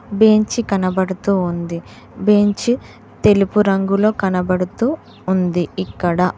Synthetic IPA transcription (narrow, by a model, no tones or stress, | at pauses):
be̞ɲt͡ʃikɐnɐbɐɽut̪uːnd̪i | be̞ɲt͡ʃi | t̪e̞lipuɾɐŋɡulo̞ːkɐnɐbɐɽut̪uː | nd̪iikːɐɽɐ